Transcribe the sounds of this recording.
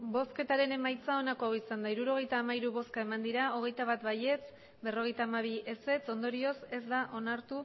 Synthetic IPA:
bo̞ske̞t̪aɾe̞ne̞majt͡sao̞nako̞awisand̪aiɾuɾo̞ɣ̞e̞jt̪aːmaiɾuβo̞skae̞mand̪iɾao̞ɣ̞e̞jt̪aβ̞at̪βaje̞t͡s | be̞ro̞ɣ̞e̞jt̪aːmaβ̞ie̞se̞t͡so̞nd̪o̞ɾio̞se̞zd̪aʔo̞naɾt̪u

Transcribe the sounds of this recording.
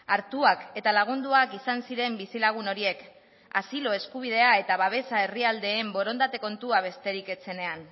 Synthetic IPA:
aɾt̪uake̞t̪alaɣ̞und̪uakisansiɾe̞mbisilaɣ̞uno̞ɾie̞k | asilo̞e̞skuβ̞ið̞e̞ae̞t̪aβaβ̞e̞sae̞riald̪e̞ːmbo̞ɾo̞nd̪at̪e̞ko̞nt̪uaβ̞e̞st̪e̞ɾike̞t͡se̞ne̞an

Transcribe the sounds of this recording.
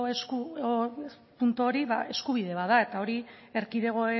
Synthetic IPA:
esku | punt̪uoɾiβa̰ʔe̞skuβ̞iðe̞βaðae̞t̪ao̞ɾie̞ɾkiðe̞ɣ̞o̞e

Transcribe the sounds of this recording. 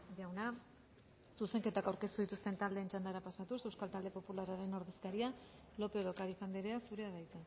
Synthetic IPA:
ʝawna | suse̞ŋke̞t̪akawɾke̞st̪uð̞it̪ust̪e̞nt̪ald̪eːnt͡ʃand̪aɾapasat̪use̞wskalt̪ald̪e̞po̞pulaɾaɾe̞no̞ɾðe̞skaɾia | lo̞pe̞ðokaɾifand̪eɾeasuɾe̞aɾajt͡s̪a

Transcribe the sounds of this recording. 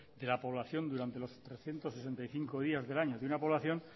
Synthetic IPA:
d̪e̞lapo̞β̞laθjo̞nd̪uɾant̪e̞lo̞st̪ɾe̞sθje̞nt̪o̞sːese̞nt̪ajθiŋko̞ðiazðe̞laɲoðeunapo̞βlaθjõ̞n

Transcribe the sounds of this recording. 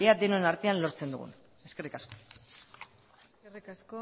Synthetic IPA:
ead̪enoenaɾt̪eanlo̞ɾt͡se̞nd̪ṵɣṵn | e̞ske̞rikasko̞̥ | riasko

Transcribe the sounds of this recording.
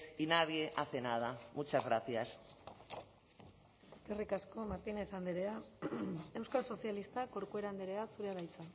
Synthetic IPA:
inaβieʔaθenað̞amut͡ʃazɣɾaθias | eskerikasko̞maɾt̪inesand̪eɾea | e̞wskalso̞sialist̪ako̞ɾkue̞ɾand̪eɾe̞asuɾeaβajt͡sa

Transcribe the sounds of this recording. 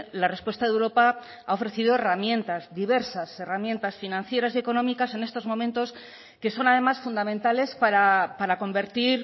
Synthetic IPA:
lare̞spwe̞st̪aðewɾo̞pa | ao̞fɾe̞θiðo̞e̞ramjẽ̞nt̪azðiβe̞ɾsase̞ramjẽ̞nt̪asfinãnθje̞ɾasie̞ko̞nõ̞mikase̞ne̞st̪o̞zmo̞mẽnt̪o̞s | ke̞so̞nað̞e̞masfund̪ament̪ale̞spaɾapaɾako̞mbe̞ɾt̪iɾ

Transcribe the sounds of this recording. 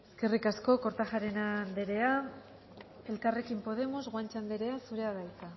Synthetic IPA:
e̞ske̞rikasko̞ko̞ɾt̪aʝaɾe̞nand̪e̞ɾe̞a | e̞lkare̞kimpo̞ð̞e̞mo̞zɣwant͡ʃand̪e̞ɾe̞asuɾe̞aðajt̪a

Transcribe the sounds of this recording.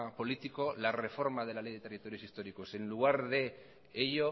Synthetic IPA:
po̞lit̪iko̞lare̞fo̞ɾmað̞e̞lale̞jðe̞t̪e̞rit̪o̞ɾjo̞sist̪o̞ɾiko̞se̞nluɣ̞aɾðe̞ | eʎo̞

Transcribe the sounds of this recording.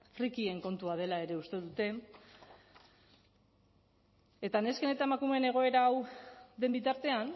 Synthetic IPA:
frikie̞ŋko̞nt̪uað̞e̞lae̞ɾe̞ust̪e̞ðut̪e̞ | e̞t̪ane̞ske̞ne̞t̪aemakume̞ne̞ɣ̞o̞e̞ɾaːwðe̞mbit̪aɾt̪e̞an

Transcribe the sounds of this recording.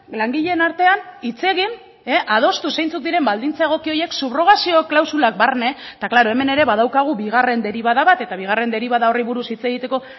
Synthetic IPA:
laŋɡiʎe̞naɾt̪e̞anit͡se̞ɣin | eʔaðo̞st̪use̞jnt͡suk̚d̪iɾe̞mbald̪int͡sae̞ɣ̞o̞kio̞je̞ksuβro̞ɣasio̞klawsulak̚barne̞t̪aklaɾo̞e̞me̞ne̞ɾe̞βað̞awkaɣ̞ubiɣ̞are̞nd̪e̞ɾiβaðaβat̪e̞t̪aβiɣ̞are̞nd̪e̞ɾiβaðao̞riβuɾusit͡se̞ɣ̞it̪e̞ko̞

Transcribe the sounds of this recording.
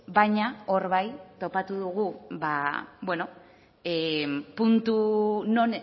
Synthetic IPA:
bajɲao̞ɾβajt̪o̞pat̪uðuɣ̞uβabwe̞no̞ | epunt̪uno̞n

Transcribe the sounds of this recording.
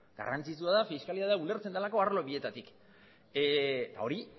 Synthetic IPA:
ɡ̥a̰rant͡sit͡suaðafiskaliðaðaule̞ɾt͡send̪elako̞arlo̞βie̞t̪at̪ik | t̪a̰o̞ɾi

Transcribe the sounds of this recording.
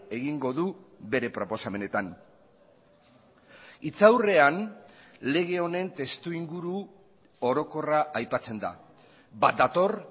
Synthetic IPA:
e̞ɣiŋɡo̞ðuβe̞ɾe̞pɾo̞po̞same̞ne̞t̪an | it͡sawre̞anle̞ɣ̞e̞o̞ne̞nt̪e̞st̪uiŋɡuɾu | o̞ɾo̞ko̞raʔajpat͡se̞nd̪a̰ | bat̪̚d̪at̪o̞r

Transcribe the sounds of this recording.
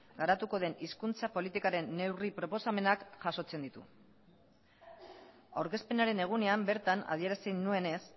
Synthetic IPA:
ɡaɾat̪uko̞ð̞e̞niskunt͡sapo̞lit̪ikaɾe̞nːe̞wripɾo̞po̞same̞nakʝaso̞t͡se̞nd̪it̪ṵ | awɾke̞spe̞naɾe̞ne̞ɣ̞une̞ambe̞ɾt̪ana̰ðie̞ɾasenue̞ne̞s

